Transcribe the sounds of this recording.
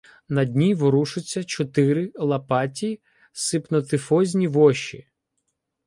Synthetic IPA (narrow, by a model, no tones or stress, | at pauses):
nɐdʲnʲiʋɔɾuʃʊt͡sʲːɐt͡ʃɔt̪ɪɾɪlˠɐpɑtʲi | sɪpnɔt̪ɪfɔzʲnʲiʋɔʃḭ